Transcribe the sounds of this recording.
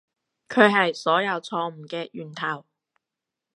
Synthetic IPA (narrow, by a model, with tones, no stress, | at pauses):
kʰɵ˨˧ɥɦɐ˨jsɔː˨˥jɐ˨˧wt͡sʰɔː˧m̩˨˩kɛː˧jyː˨˩nt̪ʰɐ˨˩w